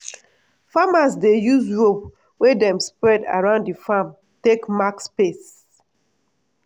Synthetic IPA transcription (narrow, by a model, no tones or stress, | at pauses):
famas̬dejuzɹop | wedɛ̃mspɹɛda̰ɹãʊ̃nddifam | tekmakspes